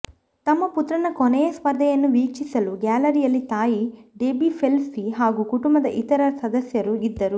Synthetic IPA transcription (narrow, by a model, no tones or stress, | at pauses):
t̪ɐmːɐput̪ɾɐnɐkonɛjɐspɐɾd̪ʱɐjɐnːuʋiːkt͡ʃisɐluɡaːlɐɾijɐlːit̪aːjiɖeːbipʰelsiɦaːɡukuʈumbɐd̪ɐʔit̪ɐɾɐsɐd̪ɐsjɐɾuid̪ːɐɾu